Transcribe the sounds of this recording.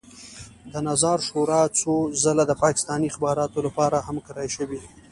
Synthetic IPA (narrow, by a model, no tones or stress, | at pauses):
d̪ənazɑɾʃoɾɑt͡sozəlad̪əpɑkɪ̥st̪ɑnixbɑɾɑt̪olapɑɾahamkaɾajʃəwi